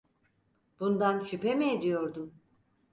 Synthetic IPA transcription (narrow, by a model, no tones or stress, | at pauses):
b̥und̪anʃypemeːd̪ijoɾd̪um